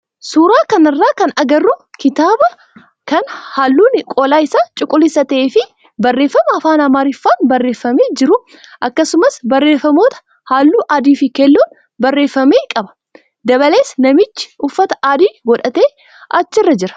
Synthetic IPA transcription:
suːɾaːkɐnɪrːaːkɐnɐɡɐrːʊkɪt̪aːbɐ | kɐnhaːlːuːnkʼoːlaːɪsaːt͡ʃʼʊkʼːʊlɪsɐt̪eːfɪ | bɐrːeːfːɐmɐɐfaːnɐmaːɾɪfːaːnbɐrːe̞ːfːɐmeːd͡ʒɪɾʊ | ʔɐkːɐsʊmɐsbɐrːe̞ːfːɐmo̞ːt̪ɐ̥ | haːlːuːʔaːd̪iːfɪkɛlːuːn | bɐrːe̞ːfːɐmeːkʼɐbɐ̥ | d̪ɐβɐle̞ːsnɐmɪt͡ʃːɪ̥ʊfːɐt̪ɐ̥ʔaːd̪iːɡɔᶑɐt̪e̞ː | ʔɐt͡ʃːɪrːɐd͡ʒɪɾɐ̥

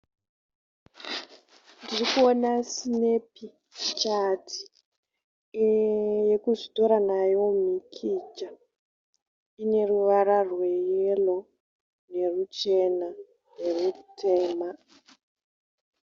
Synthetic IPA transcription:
ndirikuonasine̞pi | t͡ʃatʰi̥ | je̞kuʐito̞ɾanajo̞mikʰid͡ʒa | ine̞ruʋaɾarwe̞jelo̞ | ne̞rut͡ʃe̞na | ne̞rutʰe̞ːma

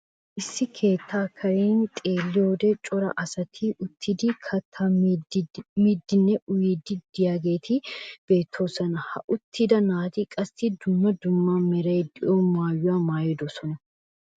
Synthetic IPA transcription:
ʔɪsːɪkʰe̞ːt̪ʰːaːkʰɐɾeːnt̪ʼeːlːɪjoːd̪ɛt͡ʃʼɔɾɐ̰ʔɐsɐt̪ʰiʔʊt̪ʰːɪd̪ɪkʰɐt̪ʰːɐ | mid̪ːɪnːɛʔʊjiːd̪ɪd̪̥ɪjaːɡe̞ːt̪ʰɪb̥e̞ːt̪ʰːo̞ːsɐnɐhɐ̰ʔʊt̪ʰːɪd̪ɐnaːt̪ɪkʼɐst̪ɪd̪ʊmːɐd̪ʊmːamɛɾɐjd̪ɪʔomaːjːʊwaːmaːjɪd̪ɔsɔnɐ

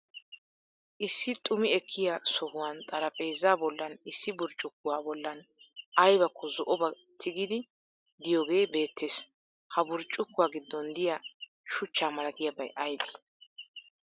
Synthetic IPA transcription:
ʔɪsːɪt̪ʼʊmɪɛkʰːɪjasɔhʊwant̪ʼɐɾɐpʼe̞ːzːaːbɔlːɐnɪsːɪbʊɾt͡ʃʼːʊkːʊwaːbɔlːɐn | ʔɐjbɐkːɔzɔʔɔbɐ | t̪ʰɪɡid̪ɪ | d̪ɪjoːɡe̞ːbe̞ːt̪ʰːe̞ːs | hɐbʊɾt͡ʃʼːʊkːʊwaːɡɪd̪ːɔnd̪ɪja | ʃʊt͡ʃːaːmɐlɐt̪ɪjabɐjʔɐjbe

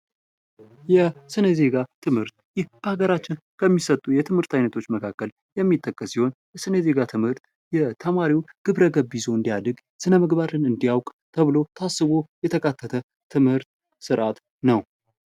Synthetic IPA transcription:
jɛsɨnəze̞ɡat̪ʰɨmhɨɾt̪̚jɪhb̥əaɡəɾat͡ʃːɪn | kʰəmːisət̪ʼːujɛt̪ʰɨmhɨɾt̪ʰajnət̪ʰo̞t͡ʃːməkʰakːəl | jɛmːit̪ʼːəkʼːəsiho̞njɛsɨnəze̞ɡat̪ʰɨmhɨɾt̪ | jɛt̪ʰəmaɾiwɡ̥ɨβɾəɡəβːizo̞ɨnd̪ijad̪ɨɡ | sɨnəməɡβaɾɨnɨnd̪ijawkʼ | t̪ʰəβɨlo̞t̪ʰasːɨβojɛt̪ʰəkʼat̪ʰːət̪ʰə | t̪ʰːɨmhɨɾt̪ | sɨɾʔat̪ | nəw

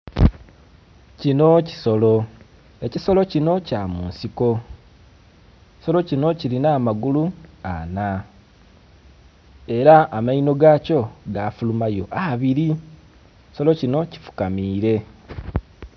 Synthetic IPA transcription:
cino̞ci̥so̞lo̞ | e̞ciso̞lo̞cino̞camuːnsiko̞ | ci̥so̞lo̞cino̞cilinaːmaɡulua̰na | e̞ɾaːmaino̞ɡaːco̞ɡafulumajo̞ʔaβiɾi | ci̥so̞lo̞cino̞ci̥fu̥kamiːɾe̞

